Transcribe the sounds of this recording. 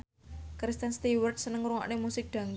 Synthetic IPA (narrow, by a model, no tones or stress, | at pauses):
kɾist̪ɛnst̪iwərt̪̚sənəŋɾuŋɔ̰ʔnemusɪk̚d̪̥ä̤ŋ